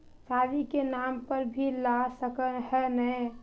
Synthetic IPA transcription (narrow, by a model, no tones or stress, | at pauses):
sadikenampəɾbʱilasəkəhɛnɛ